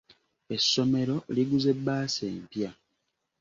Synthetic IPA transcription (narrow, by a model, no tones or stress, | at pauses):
e̞sːo̞me̞ɾo̞liɡuze̞bːaːsḛːmpja